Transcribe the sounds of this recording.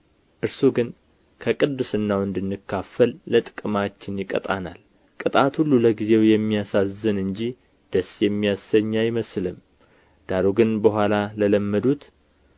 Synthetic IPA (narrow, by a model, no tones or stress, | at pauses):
ʔɨɾsuɡɨn | kʰəkʼɨd̪ːɨsɨnːawɨnd̪ɨnːɨkʰːafəlːət̪ʼɨ̥kʼɨmat͡ʃːɪnjɪkʼə̰t̪ʼa̰na̰l | kʼɨt̪ʼat̪hulːuləɡize̞wjɛmːijasazːɨnɨɲd͡ʒi | d̪̥əsjɛmːijasːəɲːajɪməslɨm | d̪̥aɾoɡɨnbəɦʷalalələmːəd̪ut̪